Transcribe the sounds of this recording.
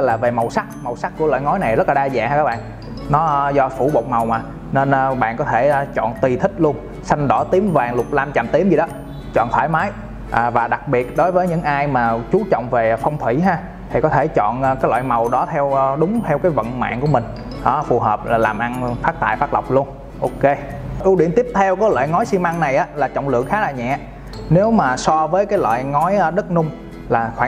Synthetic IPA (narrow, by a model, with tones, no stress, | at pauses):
laː˨˩ve˨˩ma˨˩wsa˦˥k̚ma˨˩wsa˦˥k̚ku˧˩əla̰ː˧˨jŋɔ˨˦jna˨˩jzə˦˥t̚laː˨˩ɗaː˧za̰ː˧˨ŋhaː˧ka˦˥ɓa̰ː˧˨n | nɔ˨˦zɔ˧fu˧˩ɓo˨˩k͡p̚ma˨˩wmaː˨˩ | ne˧nʔɓa̰ː˧˨nkɔ˨˦t̪ʰe˧˩˧t͡ɕɔ̰˧˨nt̪i˨˩t̪ʰï˦˥k̟̚lu˧ən | sa˧jŋɗɔ˧˩˦t̪i˨˦əmvaː˨˩ŋlʊ˨˩k͡p̚laː˧mt͡ɕa˨˩mt̪i˨˦əmzi˨˩ɗɔ˨˦ | t͡ɕɔ̰˧˨nt̪ʰwaː˧˩jmaː˨˦j | ʔaː˨˩vaː˨˩ɗa˨˩k̚ɓi˨˩ət̚ɗo˨˦jvəː˨˦jɲɨ̰˧˥ŋʔaː˧jmaː˨˩t͡ɕu˨˦t͡ɕɔ̰˧˨wŋ͡mve˨˩fɔ˧wŋ͡mt̪ʰwi˧˩ɦaː˧ | t̪ʰi˨˩kɔ˨˦t̪ʰe˧˩t͡ɕɔ̰˧˨nː˧˩kaː˨˦jlwa̰ː˧˨jma˨˩wɗɔ˨˦t̪ʰɛ˧wɗʊ˨˦ŋ͡mt̪ʰɛ˧wkaː˨˦jvə̰˧˨nma̰ː˧˨nku˧˩əmï˨˩ŋ̟ | ɗɔ˨˦fu˨˩ɦəː˨˩p̚aː˨˩laː˨˩mʔa˧nfaː˦˥k̚t̪a̰ː˧˨jfa˦˥k̚lə˨˩wk͡p̚lu˧ən | ʔo˧ke˧ | ʔi˨˦wɗḭ˧˩ənt̪i˦˥əp̚t̪ʰɛ˧wkɔː˨˦jlwa̰ː˧˨jŋɔ˨˦jsi˧mʔa˧ŋna˨˩jʔaː˨˦laː˨˩t͡ɕɔ̰˧˨wŋ͡mlɨ̰˧˨əŋxaː˨˦laː˨˩ɲɛ̰˧˨ | ne˨˦wmaː˨˩sɔ˧vəː˨˦jkaː˨˦jlwa̰ː˧˨jŋɔ˨˦jɗə˦˥t̚nʊ˧ŋ͡m | laː˨˩xwaː˧˨